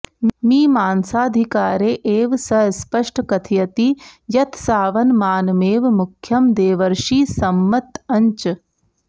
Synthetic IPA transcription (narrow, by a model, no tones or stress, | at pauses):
miːmaːnsaːd̪ʱikaːɾeːʔeːʋsɐspɐʂʈʰkɐt̪ʰijɐt̪ijɐt̪ʰsaːʋɐnmaːnmeːʋmukʰjɐmd̪eːʋɐɾʂiːsɐmːɐt̪ɐɲt͡ʃ